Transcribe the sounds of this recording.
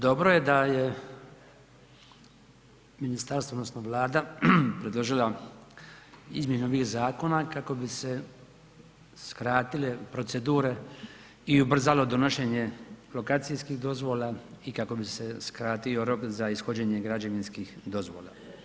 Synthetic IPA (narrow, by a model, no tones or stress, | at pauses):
d̪o̞bɾo̞je̞d̪aje̞ | minist̪aɾst̪odnosnoʋlˠaːd̪apɾed̪lo̞ʒila | izmje̞nuoʋixzaːko̞nakako̞bise | skɾaːt̪ile̞pɾo̞t̪se̞d̪uːɾe̞ | iubr̩zalo̞d̪o̞no̞ʃe̞ːɲe̞lo̞kaːt̪sijskixd̪o̞zʋo̞laikako̞bise̞skɾaːt̪io̞ɾo̞kzaisxod͡ʑeːɲe̞ɡɾad͡ʑaʋinskixd̪o̞zʋoːla̰